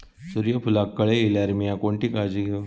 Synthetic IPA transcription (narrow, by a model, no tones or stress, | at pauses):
suɾijəpʰulakːəɭeelaɾmijakoɳʈikad͡ʒi